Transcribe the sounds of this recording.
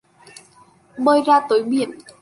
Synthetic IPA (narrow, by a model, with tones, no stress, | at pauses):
ɓəː˧jzaː˧t̪oː˨˦jɓḭ˧˨ən